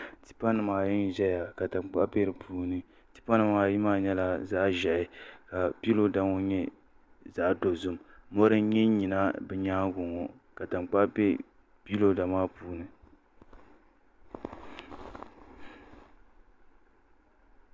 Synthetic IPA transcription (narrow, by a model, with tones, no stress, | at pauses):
ti̥˨pa˦nɨ˨maː˨ji˦n˦ʒɛ˦ja˨ka˨ta˨ŋ͡mk͡pa̰˦ʔpe˦ɾɨ˨pʰuː˦nɨ˦ | ti̥˨pa˦nɨ˨maː˨ji˦maː˦ɲɛ˦la˦za˦ʒɛ˨ʔɪ˨ka˨bi˦lo˦da˨ŋɔ˦ɲɛ˦ | za˨ʔdo˨zʊ˦mmɔ˦ɾɨ˦ɲɛ˦ɲi˨na˦bɛ˨ɲaː˦ɡʊ˨ŋɔ˨ | ka˨ta˨mk͡pa˦ʔbɛ˦ | pi˦lo˦da˨maː˦puː˦nɨ˦